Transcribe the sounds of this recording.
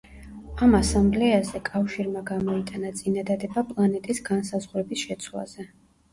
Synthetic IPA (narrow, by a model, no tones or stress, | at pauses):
amasamblɛazɛkʼafʃiɾmaɡamɔit̪ʼanat̪sʼinad̪ad̪ɛbapʼlˠanɛt̪ʼisɡansazʁɾɛbisʃɛt̪sʰlˠa̰z̥ɛ